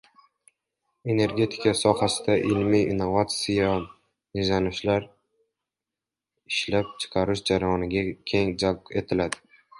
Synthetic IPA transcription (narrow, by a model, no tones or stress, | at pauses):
e̞ne̞ɾɡʲe̞t̪ʰɪ̥kasɒhasɪd̪aʔɪlmijɪnːovat̪sɪja | nɪʒanɪʃlaɾ | ɪʃlap̚t͡ʃʰɪ̥qʰɑɾɪʃd͡ʒaɾajɒnɪɡʲakʲʰe̞ŋd͡ʒake̞t̪ʰɪlad̪ɪ